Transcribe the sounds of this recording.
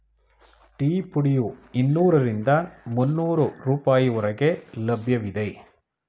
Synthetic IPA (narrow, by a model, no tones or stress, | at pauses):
ʈiːpʊɽɪjuɪnːuːɾɐɾɪnd̪aːnmʊnːuːɾɯɾuːpaːjiʊɾɐɣeːlɐbjɐʋɪðɐɪ